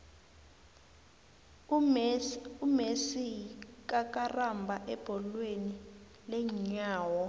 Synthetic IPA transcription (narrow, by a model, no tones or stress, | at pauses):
umesik̬ʼak̬ʼarambʱaʔɛb̥ʱɔlweni | lɛɲaːwɔ